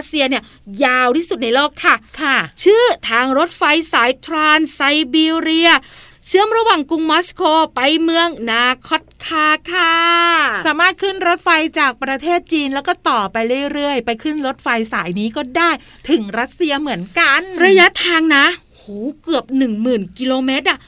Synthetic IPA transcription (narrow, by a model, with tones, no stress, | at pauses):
ɾt̪̚si˧ɐni˥˩ɐ | jaː˧wt̪ʰiː˥˩su˨˩t̪̚na˧jloː˥˩kʰːa˥˩kʰa˥˩t͡ɕʰɯː˥˩t̪ʰaː˧ŋɾo˦˥t̪̚fa˧jsaː˩˦jt̪ʰɾaː˧nsa˧jbiː˧ɾi˧ɐ | t͡ɕʰɯ˦˥əmɾa˧waː˨˩ŋku˧ŋmɔ˦˥skʰoː˧pa˧jmɯ˧əŋnaː˧˩kʰɔ˧˥˩t̪̚kʰaː˧˩kʰa˧˥˧saː˨˩˦maː˥˩t̪̚kʰɯ˥˩nɾo˦˥t̪̚fa˧jt͡ɕaː˨˩k̚pɾa˧t̪ʰeː˥˩t̪̚t͡ɕiː˧nlɛː˦˥wkɔː˥˩t̪ɔː˨˩pa˧jɾɯ˥˩əjɾɯ˥˩əjpa˧jkʰɯ˥˩nɾo˦˥t̪̚fa˧jsaː˩˦jniː˦˥kɔː˥˩daː˥˩j | t̪ʰɯ˨˩˦ŋɾa˦˥t̪̚si˧ɐmɯ˩˦ənka˧nɾa˧ja˦˥t̪ʰaː˧ŋna˦˥ | huː˩˦kɯ˨˩əp̚nɯ˨˩ŋmɯː˨˩nki˧loː˧meː˦˥t̪̚ʔa˧˩